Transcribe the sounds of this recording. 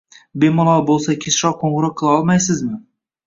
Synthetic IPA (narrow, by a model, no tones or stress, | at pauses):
bemɒlˠɒbolˠsakʲʰesɾɒqʰoŋɨɾɑk̚qʰːɨlˠaɒlˠmajsɪzmɪ